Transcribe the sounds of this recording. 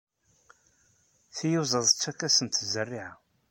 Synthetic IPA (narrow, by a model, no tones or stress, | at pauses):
θijuzˤəðˤt͡sːækːæsənt̪zərːiʕa